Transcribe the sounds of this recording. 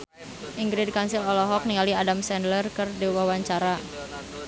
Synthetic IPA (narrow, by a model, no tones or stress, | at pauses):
ʔiŋɡɾid̚kansɪlɔlɔɦɔk̚niŋaliadamsɛndlərkərdiwawaɲt͡ʃaɾa